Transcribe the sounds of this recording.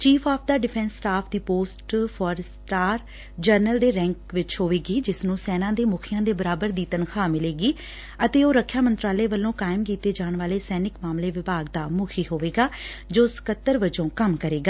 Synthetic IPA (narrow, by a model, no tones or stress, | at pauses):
t͡ʃiːpʰaːpʰd̪aːɖɪpʰɛ̃nsːʈaːpʰd̪iːpoːsʈpʰɔːɾsʈaːɾ | d͡ʒəɾnəld̪eːɾɛ̃ːŋkʋɪt͡ʃɦoːʋeːɡiːd͡ʒɪsnũːsɛːnãːd̪eːmʊkʰɪjãːd̪eːbəɾaːbəɾd̪iːt̪ənkʰaːmɪleːɡiː | ət̪eːoːɾəkʰːjaːmənt̪ɾaːleːʋəlːõːkaːɪmkiːt̪eːd͡ʒaːɳʋaːleːsɛːnɪkmaːmleːʋɪbaːɡ̚d̪aːmʊkʰiːɦoːʋeːɡaː | d͡ʒoːsə̥kət̪ːəɾʋəd͡ʒõːkəmkəɾeːɡaː